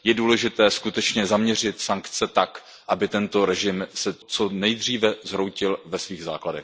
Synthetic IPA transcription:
jɛduːlɛʒɪt̪ɛːskut̪ɛt͡ʃɲɛzamɲɛr̝ɪt̪saŋkt͡sɛt̪ak | ʔabɪt̪ɛnt̪o̞ɾɛʒɪmsɛt͡sonɛjd̪r̝iːvɛzɾowcɪlvɛsviːɣza̰ːkladɛ̰x

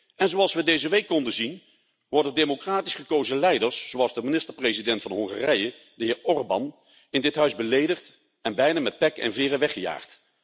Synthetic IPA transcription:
ɛnzoɑlˠsʋədejzəʋejkːɔndəzin | ʋɔɹdɛdejmokraːtisχəkowzəlɛjdəɹsz̥oɑlˠzdəminɪstəɹprezidɛntfɑnəɦɔŋχaːrɛjə | dəɦɪːɹɔɹbɑ̰n | ɪndɪtɦœɥzbəlejdəχt | ɛnbɛjnaːmɛt̚pɛkɛ̰nvɪːrəʋɛχəja̰ːχt

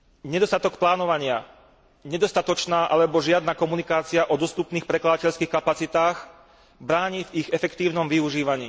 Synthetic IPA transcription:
ɲɛd̪ɔst̪at̪ɔkplaːnɔʋaɲɪa | ɲɛd̪ɔst̪at̪ɔt͡ʃnaːʔalɛbɔʒɪad̪nakɔmunikaːt͡siaʔɔd̪ɔst̪upniːxpɾɛklad̪acɛʎskiːxkapat͡sit̪aːx | bɾaːɲiviɣɛfɛkt̪iːʊnɔmʋiuʒiːʋaɲiː

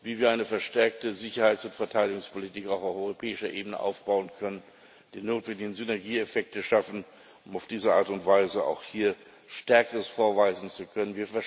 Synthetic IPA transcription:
viːviːɐʔaɪnəfɛɐʃtɛɐk̚təzɪçɐhaɪt͡sʊntfɛɐtʰaɪdɪɡʊŋspʰolitʰiːkaʊfaʊfʔɔʏʁopʰɛːɪʃɐʔeːbənə̰ʔa̰ʊfb̥aʊənkʰœnən | d̥iːnoːtv̥ɛndɪɡn̩zynɛɐɡiːefɛk̚təʃafn̩ | ʊmaʊfd̥iːzəʔa̰ːɐtʊntv̥aɪzəa̰ʊxhiːɐ | ʃtɛɐkəʁəsfoːɐvaɪzn̩t͡sukʰœnənviːɐfɛɐ

